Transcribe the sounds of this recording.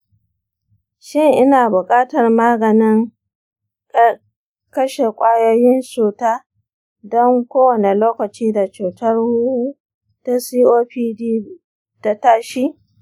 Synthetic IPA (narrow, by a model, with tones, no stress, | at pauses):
ʃɪ˦˨ŋʔɪ˦naː˨bʊ˨kʼaː˦tɐ˨rmaː˦ɡɐ˨nɪ˦ŋ˦ | kɐ˦ʃe˨kʷʼaː˦jo˦jɪ˦nsuː˨taː˦ | dɔ˦ŋkʷoː˦wɐ˨ne˨loː˦kɐ˨t͡ʃiː˦da˨t͡ʃuː˨tɐ˦rhu˦ | ta˦siː˦ʔoː˦ɸiː˦diː˦ | ta˨taː˦ʃiː˦